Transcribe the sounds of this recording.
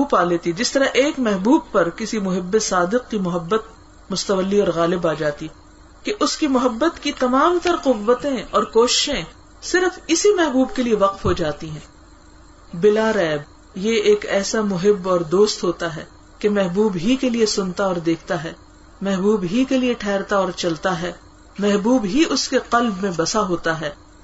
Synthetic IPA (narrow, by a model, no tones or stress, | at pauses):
uːpaːleːt̪id͡ʒɪst̪ɐɾaʔeːkmɛɦbuːb̚pɐɾkɪsimʊɦɪbːesaːd̪ɪq̚kimʊɦəbːət̪̚ | mʊst̪əʋəlːiɔːɾɣaːlɪbaːd͡ʒaːt̪i | keʔʊskimʊɦəbːət̪kit̪ɐmaːmt̪ɐɾqʊʋːət̪ẽɔːɾkoːʃɪ̥ʃẽ | sɪɾfɪsimɛɦbuːbkelieʋɐqfɦod͡ʒaːt̪iɦɛ̃ː | bɪlaɾɛːb̚ | jeeːkɛːsamʊɦɪbɔːɾd̪oːst̪ɦoːt̪aɦɛː | kemɛɦbuːbɦikeliesʊnt̪aɔːɾd̪eːkʰt̪aɦɛː | mɛɦbuːbɦikelieʈʰɛːɾt̪aɔːɾt͡ʃɐlt̪aɦɛː | mɛɦbuːbɦiʔʊskeqɐlbmẽbɐsaɦoːt̪aɦɛː